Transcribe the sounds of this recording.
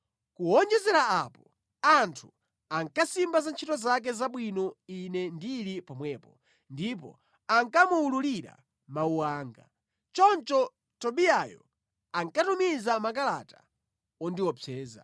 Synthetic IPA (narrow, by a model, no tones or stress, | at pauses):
kuɔnd͡ʒɛzɛɾaapɔ | antʰu | aŋkasimbazant͡ʃʰitɔzak̬ɛzaɓwinɔinɛndiɾipɔmwɛːpɔ | ndipɔ̰ | aŋkamuululiɾa̰ | mauwaːŋɡa̰ | t͡ʃɔnt͡ʃɔ | tɔɓiajɔ̰ | aŋkatumizamakala̰tḁ | ɔndiwɔpʰɛːza̰